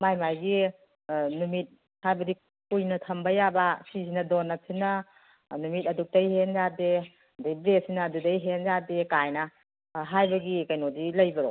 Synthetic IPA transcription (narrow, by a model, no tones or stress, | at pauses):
majmajɡi | numit̚ | hajbɐdi | kujnɐtʰɐmbɐjabasizinɐdonːɐsʰinɐ | numit̚ɐduk̚tɐjhenzade | dijbɾesinɐːdudɐjɦenzadekajnɐ | ɦajbɐɡikajnodilɐjbɐɾo̰